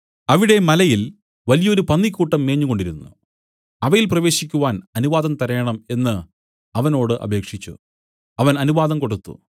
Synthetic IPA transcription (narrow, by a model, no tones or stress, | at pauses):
ɐʋiɽe̞mɐlɐjil | ʋɐlijɐoɾupɐnːikʲːuːʈːɐmːeːɲːuko̞ɳɖiɾunːṵ | ɐʋɐjilprɐʋe̞ːɕikʲːuʋaːnɐnuʋaːd̪ɐmt̪ɐɾɐjɐɳɐme̞nːɨ | ɐʋɐno̞ːɽɨʔɐ̰bʱe̞ːkʂit͡ɕːṵ | ɐʋɐnɐnuʋaːðɐmko̞ɽut̪ːṵ